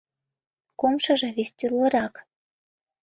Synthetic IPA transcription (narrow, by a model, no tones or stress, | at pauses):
komʃɤ̆ʒɤ̆βesʲt̪ʲylə̆ɾɑk